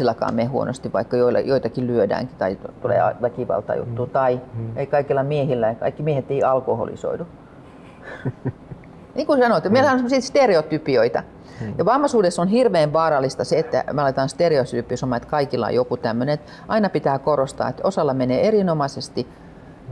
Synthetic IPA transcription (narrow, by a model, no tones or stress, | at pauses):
ilːɑkɑ̰ːmehuo̰no̰st̪iʋʋɑ̰ikːɑjoilɑ̰joit̪ɑkilyødæ̰ːŋkit̪ɑit̪ulḛːɑ̰ʋækiʋɑ̰lt̪ɑ̰jṵt̪ːuːt̪ɑieikɑikilːɑmiehilːæjɑkɑ̰ikːimiehet̪eiɑlkoho̰lḭso̰idu | niːŋkusɑnoˑt̪meilæhænsemosit̪st̪ereot̪ypioit̪ɑ̰ | jɑʋɑmːɑsuːdesːonhirʋeːʋʋɑːɾɑlːˑist̪ɑseet̪ːæ̰meɑlet̪ɑnst̪ereosypːˑiøsomːɑet̪kɑikilːɑ̰jokut̪æmːøneet̪ | ʔɑinɑpit̪æːkorost̪ɑ̰ːet̪osɑlːɑmeneːerinomɑsest̪i